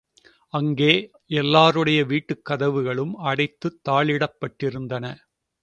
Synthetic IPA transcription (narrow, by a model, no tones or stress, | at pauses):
ɐŋɡeː | ɛlːaːɾɯɽɐjɐʋiːʈːɯkːɐðɐʋɯɣɐɭɯmɐɽɐɪt̪ːɯt̪ːaːɭɪɽɐpːɐʈːɪɾɯnd̪ɐnɐ